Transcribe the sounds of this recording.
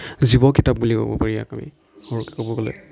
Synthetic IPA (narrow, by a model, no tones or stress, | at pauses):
zibɔkitap̚bulikɔ̰bɔ̰paɹija̰kamḭ | hɔɹukɛ̥kɔbɔɡɔlɛ̰